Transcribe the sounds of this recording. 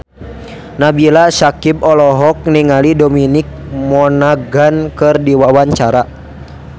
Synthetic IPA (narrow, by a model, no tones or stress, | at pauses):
nabilasakibɔlɔɦɔk̚niŋalidɔminik̚mɔnaɡankɨrdiwawaɲt͡ʃaɾa